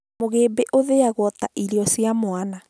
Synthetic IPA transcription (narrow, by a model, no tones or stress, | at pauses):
moɣeːbeʔoðeaɣwɔtaʔiɾiɔsjamoana